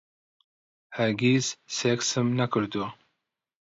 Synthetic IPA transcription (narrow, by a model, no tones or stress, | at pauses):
haɾɡizseksəmnakəɾd̪ua